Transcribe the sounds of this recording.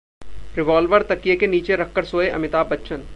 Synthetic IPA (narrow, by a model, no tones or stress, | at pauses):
ɾɪʋaːlʋəɾt̪ɐkijekeniːt͡ʃeɾɐkʰːəɾsoːeʔɐ̰mɪt̪aːbɐtːʃʰən